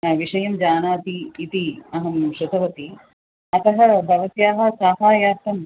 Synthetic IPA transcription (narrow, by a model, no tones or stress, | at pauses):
ʋiʂɐjɐmd͡ʒaːnaːt̪iːt̪iɐɦɐmʃɐt̪ɐʋɐt̪i | ɐt̪ɐɦɐ̆bʱɐʋɐsjaːɦɐ̆saːɦaːjaːt̪ɐm